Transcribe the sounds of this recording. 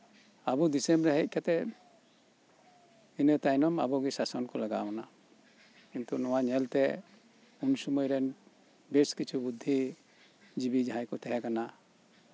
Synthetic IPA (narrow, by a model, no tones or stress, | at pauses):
abud̪isɛmbɾɛɦɛc̚ˀkat̪ɛ | inət̪ajnɔma̰bɔɡisasɔnkɔlaɡa̰ɔna | int̪ɔnɔwaɲɛlt̪ɛ | unsumɔjɾɛn | beskit͡ʃʰubud̪ʱːi | d͡ʒibid͡ʒaɦãjkɔt̪ɛɦɛkana